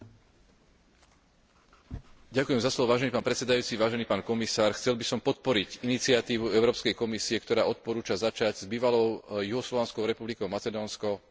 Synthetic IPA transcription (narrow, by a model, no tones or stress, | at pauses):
ɟakujɛmzaslɔʋɔʋaːʒɛnipaːnpɾɛt̪t͡sɛd̪ajuːt͡siʋaːʒɛniːpaːnkɔmisaːɾxt͡sɛlbisɔmpɔt̪̚pɔɾiɟinit͡sɪat̪iːʋuɛʊɾɔːpskɛjkɔmisiɛkt̪ɔɾaːɔt̪̚pɔɾuːt͡ʃazat͡ʃaɟzbiːʋalɔʊjuɦɔslɔʋanskɔʊɾɛpublikɔʊmat͡sɛd̪ɔːnskɔ